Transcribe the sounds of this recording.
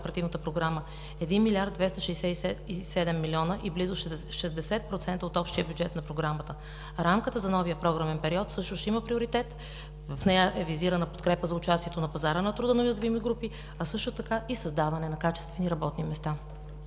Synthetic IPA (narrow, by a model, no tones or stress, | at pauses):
pɛɾɐt̪ivnət̪əpɾoɡɾamə | ɛd̪inmilʲaɾd̪̚vɛst̪ɐʃɛsɛisɛisɛd̪ɛmːilʲiɔnəʔiblizʊʃʃɛzd̪ɛsɛt̪̚pɾot̪sɛnt̪əot̪ɔpʃt̪iəbʲjud͡ʒɛt̪nɐpɾoɡɾamət̪ə | ɾamkət̪əzɐnɔvijəpɾɔɡɾəmɛnpɛɾiɔt̪sɤʃt̪ʊʃt̪ɛiməpɾioɾit̪ɛt̪ | vɐfnɛjəʔɛviziɾənəpot̪̚kɾɛpəzɐʊt͡ʃast̪iɛt̪onɐpɐzaɾənɐt̪ɾud̪ənɐojɐzvimiɡɾupi | ɐsɤʃt̪ʊt̪ɐkaisɐzd̪avɐnɛnɐkat͡ʃɛ̥st̪vɛniɾɐbɔt̪nimɛst̪a